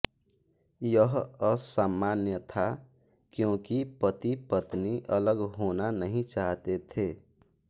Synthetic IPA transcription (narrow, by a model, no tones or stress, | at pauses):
jʌɦʌsamːanjət̪ʰa | kjõkipət̪ipət̪niʔələɡɦonanəɦĩt͡ʃaɦt̪et̪ʰe